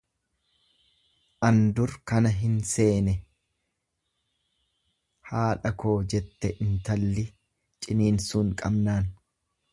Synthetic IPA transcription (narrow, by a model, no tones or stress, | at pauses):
ʔɐnd̪ʊɾkɐnɐɦɪnse̞ːnɛ | haːᶑɐkʰo̞ːd͡ʒɛt̪ːɛʔɪnt̪ɐlːɪ | t͡ʃʼɪniːnsuːŋkʼɐbnaːn